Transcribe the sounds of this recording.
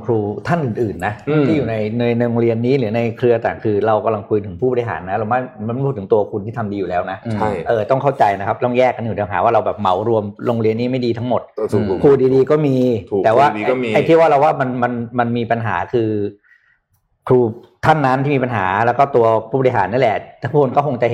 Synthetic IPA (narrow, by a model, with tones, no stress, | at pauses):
kʰɾuː˧t̪ʰa˥˩nʔɯː˨˩nʔɯː˨˩nːa˦˥i˥˩juː˨˩na˧jna˧jno˧ŋɾi˧ənːiː˦˥lɯː˩˦na˧jkʰɾɯ˧ɐt̪aː˨˩ŋkʰɯː˧ɾa˧wka˧mla˧ŋkʰu˧jt̪ʰɯ˩˦ŋpʰuː˥˩bɔː˧i˧ɦa̰ː˩˦nːa˦˥ɾa˧maː˥˩ma˧˦pʰu˥˩t̪ʰːɯ˩˦t̪u˧ɐkʰu˧nt̪ʰiː˥˩t̪ʰa˧mdiː˧ju˨˩lɛː˦˥wna˦˥ʔt͡ɕʰa˥˩jʔɤː˨˩t̪ɔ˥˩ŋkʰa˥˩wt͡ɕa˧jna˦kʰa˦˥p̚t̪ɔ˥˩ŋjɛː˥˩kːa˧njuː˨˩aː˧˩ŋɦa̰ː˩˦waː˥˩ɾa˧wbɛː˨˩p̚ma˩˦wɾu˧əmlo˧ŋɾi˧ənːiː˦˥ma˥˩jdiː˧t̪ʰa˦˥ŋmo˨˩t̪̚kʰuː˧diː˧diː˧kɔː˥˩miː˧˨ɛː˨˩waː˥˩˧ʔa˧jt̪ʰi˥˩əwaː˥˩ɾa˧waː˥˩ma˧nma˧nma˧nmiː˧pa˧nɦaː˩˦kʰɯː˧ | kʰɾuː˧ | t̪ʰa˥˩nːa˦˥nt̪i˥˩iː˧pa˧nɦa̰ː˩˦lɛː˦˥wkɔː˥˩t̪u˧ɐpʰuː˥˩ɔ˧ɾi˧˩ɦaː˩˦nːaː˦˥˨lɛ˨˩˨t̪ʰːo˧nkɔː˥˩ko˧ŋt͡ɕa˨h